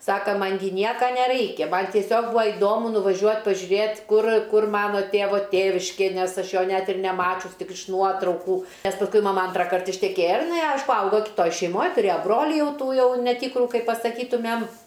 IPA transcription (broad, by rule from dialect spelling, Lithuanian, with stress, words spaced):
ˈsɑːkɐ ˈmɐn ɡʲɪ ˈnʲiɛkɐ nʲɛˈrɐɪkʲɛ mɐn tʲiɛˈsʲoːk ˈbuːɐ ɪˈdoːmʊ nʊʋɐˈʒʲuɔtʲ pɐʒʲʊˈrʲeːtʲ ˈkʊr ˈkʊr ˈmɑːnoː ˈtʲeːʋoː ˈtʲeːʋʲɪʃʲkʲeː ˈnʲɛs ˈɐʃ ˈjoː ˈnʲɛt ɪr nʲɛˈmɑːt͡ʃʲʊs ˈtʲɪk ɪʃ ˈnuɔtrɐʊkuː ˈnʲɛs pɐsˈkʊɪ mɐˈmɐ ˈɐntrɐkɐrt ɪʃʲtʲɛˈkʲeːjɛ ɪr ɪˈnɐɪ ˈɐɪʃkʊ ˈɐʊɡoː kʲɪtˈoːj ʃʲɛɪˈmoːj tʊˈrʲeːjoː ˈbroːlʲɪ ˈjɛʊ ˈtuː ˈjɛʊ nʲɛˈtʲiːkrʊ ˈkɐɪp pɐsɐˈkʲiːtʊmʲɛm